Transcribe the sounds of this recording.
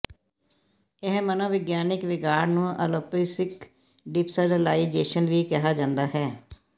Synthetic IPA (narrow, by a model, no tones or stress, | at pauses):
ɪɦmənõːʋɪɡjaːnɪkʋɪɡaːɾnũːə̰loːpiːsɪk | ɖɪpsəɾəlaːid͡ʒeːʃənʋiːkɛɦaːd͡ʒãːnd̪aːɦɛː